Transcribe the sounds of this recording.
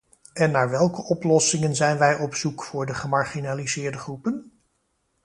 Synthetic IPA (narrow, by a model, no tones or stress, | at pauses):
ɛnːaːɹʋɛlˠkəʔɔplɔsɪŋənzɛjnʋɛjʔɔpsukfʊːɹdəχəmaɹχinalizɪːɹdəχrupən